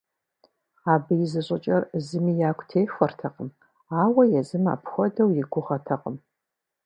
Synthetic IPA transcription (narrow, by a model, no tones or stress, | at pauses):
aːbɨjɪzɨɕʼɪt͡ʃʼɐrzɨmiːjaːkʷʰʼtʰeːxʷɐrtʰɐqəm | aːwɐjɛzɨma̰ːpʰxʷɔdɐwjɪɡʷʊʁɐtʰɐqʼəm